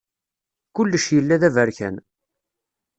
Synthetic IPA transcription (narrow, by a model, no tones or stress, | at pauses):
kʊlːəʃjəlːæðævəɾçæ̰n